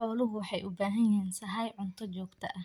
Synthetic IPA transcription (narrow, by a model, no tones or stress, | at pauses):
ħɔːlʊɦʊwħɑjʔʊbaːɦɐjɛːnsɐɦɐjʕʊnt̪ʰɔt͡ʃɔːɡt̪ʰɐ̰ʔɐ